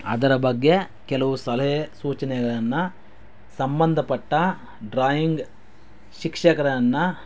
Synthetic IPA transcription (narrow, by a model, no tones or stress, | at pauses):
ɐ̰d̪ɐɾɐbɐɡːe | kɛlɐʋusɐlɐɦesuːt͡ʃɐnɛɡɐɭɐnːɐ | sɐmbɐnd̪ʱɐpɐʈːɐ | ɖɾaːjiŋɡ | ʃikʂɐkɐɾɐjɐnːɐ